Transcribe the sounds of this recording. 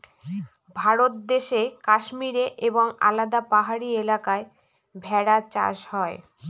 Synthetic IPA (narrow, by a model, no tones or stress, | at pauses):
bʱaɾot̪̚d̪eʃekaʃmiɾeʔeboŋa̰lad̪apaɦaɾielakae | bʱɛɽat͡ɕa̰ʃhɔe